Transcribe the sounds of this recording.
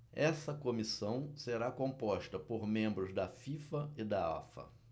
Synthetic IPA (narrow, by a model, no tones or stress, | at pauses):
ɛsɐkomisɐ̃w̃seɾakõpɔʃt̪ɐpoɾmẽmbɾʊzd̪ɐfifɐɪd̪aa̰fɐ̰